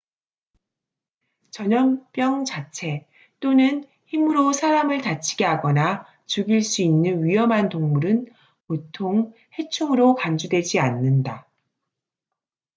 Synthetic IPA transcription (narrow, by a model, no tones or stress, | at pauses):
t͡ɕʌɲʌmp͈jʌŋt͡ɕat͡ɕʰe̞ | t͈onɯn | çimɯɾosʰaɾamɯɭtat͡ɕʰiɡeɦaɡʌna | t͡ɕuɡiɭs͈uinːɯnɥiʌmɦantoŋmuɾɯn | potʰoŋhe̞t͡ɕʰoŋɯɾokand͡ʑudwe̞d͡ʑianːɯnda